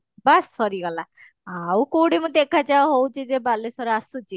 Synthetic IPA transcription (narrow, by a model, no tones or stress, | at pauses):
basːɔɾiɡɔla | awkowɽemũd̪ekʰad͡ʒaoɦowt͡ʃʰid͡ʒebalesɔɾeasut͡ʃʰi